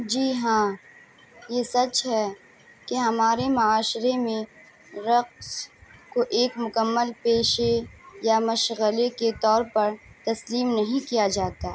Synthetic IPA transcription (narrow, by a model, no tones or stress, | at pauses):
d͡ʒiːɦãː | jesɐt͡ʃɦɛ | keɦɐmaːɾemʊaːʃɾemẽ | ɾɐqskoʔeːkmʊkəmːəlpeːʃejamɐʃɣəleket̪ɔːɾpɐɾt̪ɐsliːmnɐɦĩkijad͡ʒaːt̪aː